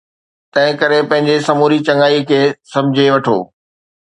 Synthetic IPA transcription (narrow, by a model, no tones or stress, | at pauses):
t̪ɐ̃ɦɪ̃kɐɾepɐ̃ɦɪ̃ɲd͡ʑesɐmoːɾit͡ɕɐ̃ŋaːikʰeːsɐ̃md͡ʑʱeʋɐʈʰo̰ː